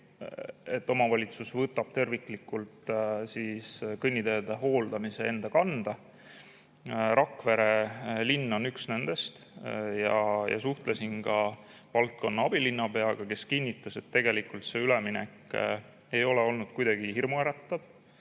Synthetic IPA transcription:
e̞t̪ːˑo̞mɑvɑlʲit̪susvɤt̪ːˑɑb̥̚t̪e̞rvikˑlikːult̪siskɤnʲːid̪ejɑd̪eɦo̞ːld̪̥ɑmise̞e̞nd̪̥ɑkɑnd̪̥ɑ | ɾʔɑkːˑveɾe̞linːo̞nyksne̞nd̪̥e̞st̪jɑjɑ̰suht̪lesinkɑ | vɑlt̪̚ko̞nːɑɑb̥ilinːɑpe̞ɑɡ̥ɑke̞skinʲːit̪ːˑɑse̞t̪ːe̞ɡe̞likult̪se̞yleminekˑ | e̞jo̞leo̞lnud̪̥̚kujd̪̥ɑɡ̥ihirmueɾɑt̪ːɑb̥

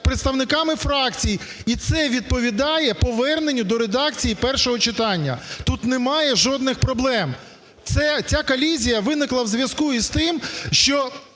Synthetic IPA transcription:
pɾeɪt̪st̪ɐʋnɪkɑmɪfɾɑkt͡sʲij | it̪sɛʋʲid̪̚pɔʋʲid̪ɑjɛpɔʋɛrnenʲːʊd̪ɔɾed̪ɑkt͡sʲijipɛrʃɔɦɔt͡ʃɪt̪ɑnʲːɐ̰t̪ut̪nemɑjɛʒɔd̪nɪxpɾɔblˠɛm | t̪sɛt͡sʲakɔlʲizʲijɐʋɪnɪklˠɐwzʲʋʲjɐskuist̪ɪmʃt͡ʃɔ

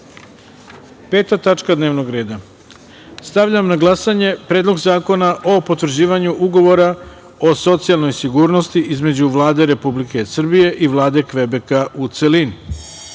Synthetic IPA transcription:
pe̞ːt̪at̪at͡ʃkad̪neʋnoɡɾe̞ːd̪a | st̪aʋʎamnaɡlˠasaɲe̞pɾe̞ːd̪lo̞ɡzaːko̞naʔopo̞t̪vr̩d͡ʑiːʋaɲuʔuɡo̞ʋo̞ɾa | o̞so̞t̪sialno̞jsiɡuːɾno̞st̪iʔizme̞d͡ʑuʋlˠaːd̪e̞ɾe̞publike̞sr̩bije̞ʔiʋlˠaːd̪e̞kʋe̞be̞kaʔut̪selin

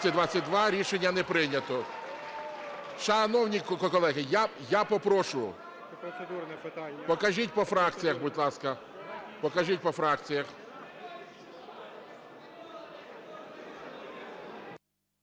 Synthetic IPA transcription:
sʲɐd̪ʋat͡sʲːɐt̚ʲd̪ʋɑɾʲiʃenʲːɐnɛpɾɪnʲɐt̪ɔ | ʃɐnɔwnʲikkɔkɔlˠɛɦɪjajapɔpɾɔʃʊjʊ̰ | pɔkɐʒit̚ʲpɔfɾɑkt͡sʲijɐxbʊdʲlˠɑskɐ | pɔkɐʒit̚ʲpɔfɾɑkt͡sʲijɐx

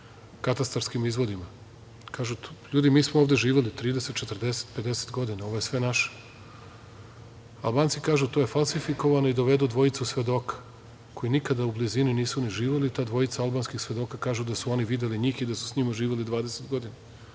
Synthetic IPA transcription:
kat̪ast̪ɾaɾskimizʋo̞d̪ima | kaːʒuʎuːd̪imiːsmooʋd̪e̞ʒiːʋelit̪ɾiːd̪eset̪t͡ʃet̪rd̪ese̥t̪ped̪e̞set̪ɡo̞d̪inao̞ʋo̞jesʋe̞naʃe̥ | alˠbaːnt̪sikaːʒut̪oje̞falˠsifiko̞ʋano̞id̪o̞ʋe̞d̪ud̪ʋo̞it̪susʋe̞d̪o̞ːkḁ | kʰojinikad̪aublizininiːsuniʒiːʋelit̪aːd̪ʋo̞it̪saalˠbaːnskixsʋe̞d̪o̞ːkakaːʒud̪asuoniʋid̪eliɲiːxid̪asu̥sɲimaʒiːʋelid̪ʋaːd̪eset̪ɡo̞d̪ina

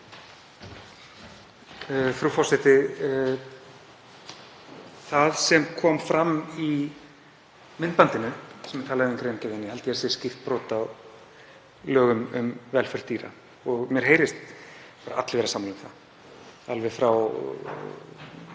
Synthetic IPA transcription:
fɾufɔr̥sɪht̪ɪ | θaðsɛmkʰɔːmfɾami | mɪnpant̪ɪnʏsɛmɛ̥t̪ʰaːlaðɪʏmkɾejncɛjðɪnːɪhɛlt̪ɪasɛ̥scɪft̪̚pɾɔːt̪a | lœːɣʏmʏ̰mvɛlfɛɾ̥t̪iːɾa̰ | ɔɣmjɛɾ̥ɦeːjɾɪst̪ | paːɾaʔa̰t̪lvɛːɾasaːmanʏmθa̰ð | alvɛɣfɾaw

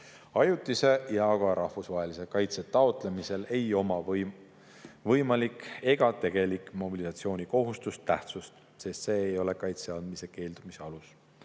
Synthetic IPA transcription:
ɑjut̪ːˑise̞jɑɡ̥ɑɾʔɑhfusvɑːe̞lise̞kɑjt̪se̞t̪ɑot̪ˑle̞mise̞le̞jo̞mɑ | vɤjmɑlike̞ɡ̥ɑt̪e̞ɡ̥e̞likˑmo̞bilisɑt̪sio̞ːnʲiko̞ɦust̪ust̪æht̪sust̪ | se̞st̪se̞ːjo̞le̞kɑjt̪se̞ɑnd̪mise̞ke̞ːld̪̥umise̞ɑlus

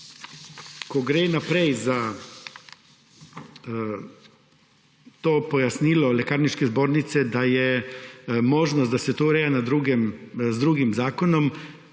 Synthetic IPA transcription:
kɔɡɾeːnapɾɛjza | t̪oːpɔjasniːlɔlɛkaːɾniʃkɛzboːɾnit̪sɛd̪ajɛ | moːʒnɔst̪d̪asɛt̪oːɾɛːjanad̪ɾuɡɛmzd̪ɾuːɡimzaːkɔnɔm

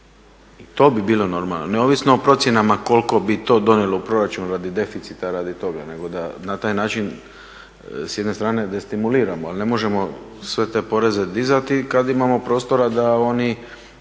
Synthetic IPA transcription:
it̪o̞ːbibiːlo̞no̞ɾma̰lnoneo̞ːʋisnoːpɾo̞t̪sje̞namako̞lko̞bit̪o̞ːd̪o̞nelˠoupɾo̞ɾat͡ʃunɾad̪id̪e̞fit̪sit̪aɾad̪it̪o̞ɡa̰ne̞ɡo̞d̪anat̪aːjnaːt͡ʃin | sje̞d̪ne̞st̪ɾaːne̞d̪est̪imuliːɾamoaline̞mo̞ʒe̞mo̞ | sʋe̞t̪e̞po̞ɾe̞ze̞d̪izat̪ikad̪imamo̞pɾo̞ːst̪o̞ɾad̪ao̞ni

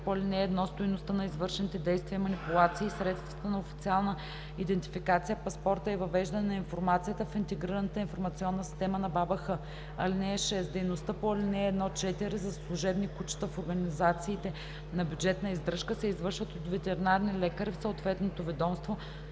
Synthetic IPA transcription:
poɐlinɛːd̪nɔst̪ʊjnost̪ənɐizvɤɾʃɛnit̪ɛd̪ɛjst̪viəmɐnipulˠat̪siːsɾɛt̪st̪vɐt̪ənɐofit̪sialˠnə | id̪ɛnt̪i̥fikat̪sijəpɐspɔɾt̪əivɐvɛʒd̪ɐnɛnɐinfoɾmat̪sijət̪əfint̪ɛɡɾiɾənət̪əinfoɾmɐt̪siɔnːəsi̥st̪ɛmənɐbabɐxɤ | ɐlinɛɛʃɛsd̪ɛjnost̪əpoɐlʲinɛːd̪nɔt͡ʃɛt̪iɾizɐslˠuʒɛbnikut͡ʃə̥t̪əfoɾɡɐnizat̪siːt̪ɛ | nɐbʲjud͡ʒɛt̪nəizd̪ɾɤʃkəsɛizvɤɾʃvət̪ot̪vɛt̪ɛɾɛnaɾnilɛkəɾifsoot̪vɛt̪not̪ovɛd̪ɔmst̪vo

